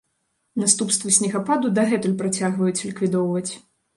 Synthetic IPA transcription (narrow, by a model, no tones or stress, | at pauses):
nast̪upst̪vɐsʲnʲɛɣapad̪ud̪aɣɛt̪ulʲpɾat͡sʲaɣvɐjut͡sʲlʲikvʲid̪ɔwvɐt͡sʲ